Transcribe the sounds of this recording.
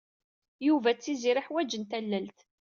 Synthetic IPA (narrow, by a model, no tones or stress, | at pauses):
juvæt͡sːiziɾɪħwæd͡ʒənt̪ælːælt̪